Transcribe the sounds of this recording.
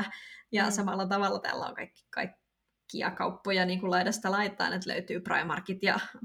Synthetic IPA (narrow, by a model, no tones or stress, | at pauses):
jɑsɑmɑlːɑt̪ɑʋɑlːɑt̪æ̰ːlːæo̰ŋkɑikːi̥kɑ̰ikː | iɑ̰kɑupːojɑniːŋkullɑidɑst̪ɑlɑit̪ːˑɑ̰ːnet̪lø̰yt̪yːprɑ̰imɑrkit̪jɑ̰